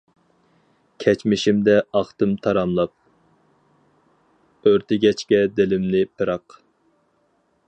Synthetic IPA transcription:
kʲʰɛt͡ʃmɪʃimd̪ɛɑχt̪ɨmt̪ʰɑɾɑmlˠɑp̚ | øɾt̪ʰɪɡʲɛt͡ʃkʲɛd̪ɪlɪmnɪpʰɨɾɑq

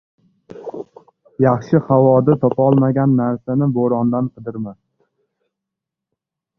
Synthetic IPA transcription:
jɑχʃɪhawɒd̪at̪ʰɒpʰɒlˠmaɡʲanːaɾsanɪboɾɒnd̪anqʰɨd̪ɪɾma

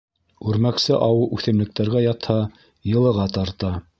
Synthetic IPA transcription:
ʉɾmæksɘʔɑwɤʔʉθɘ̆mlɘ̆k̚t̪æɾɡæjɑt̪hɑ | jɤ̆lˠɤ̆ʁɑt̪ɑɾt̪ɑ

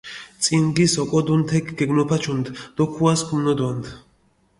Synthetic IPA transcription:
t̪sʼinɡisɔkʼɔd̪unt̪ʰɛkʰɡɛɡnɔpʰat͡ʃʰund̪d̪̥ɔkʰuaskʰumnɔd̪wand̪

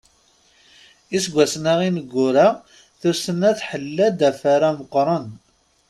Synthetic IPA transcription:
isɡʷæsnaʁinəɡːʊɾa | θusənæθħəlːæd̪æfaɾæməqːɾˤən

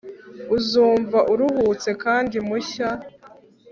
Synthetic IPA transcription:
uzuːɱvaʔuɾuhuːt͡se̞kaːndimuça

